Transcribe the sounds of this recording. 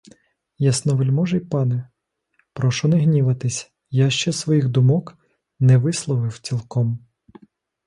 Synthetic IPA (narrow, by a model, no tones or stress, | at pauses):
jɐsnɔʋelʲmɔʒɛjpɑnɛ | pɾɔʃɔnɛɦnʲiʋɐt̪ɪsʲ | jaʃt͡ʃɛsʋɔjixd̪ʊmɔk | nɛʋɪslˠɔʋɪwt͡sʲilˠkɔm